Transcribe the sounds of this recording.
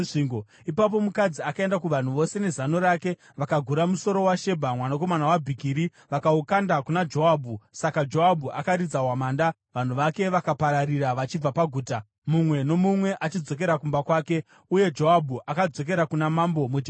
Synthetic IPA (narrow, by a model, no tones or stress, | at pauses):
iŋɡo | ipap̬o̞mukad͡ziakae̞ndakuʋan̤uʋo̞se̞ne̞zano̞ɾake̞ | ʋakaɡʱuɾamuso̞ɾo̞waʃe̞bʱamwanako̞manawabʱikiːɾi | ʋakaukandakunad͡ʒo̞abʱusakad͡ʒo̞abʱuʔakaɾid͡zawamaːnda | ʋan̤uʋake̞ʋakapaɾariɾaʋat͡ʃib͡vapaɡʱuːta | mumwe̞no̞mumwe̞ʔat͡ʃid͡zo̞k̬e̞ɾakumbakwaːke̞ | uje̞d͡ʒo̞abʱuʔakad͡zo̞k̬e̞ɾakunamambo̞muti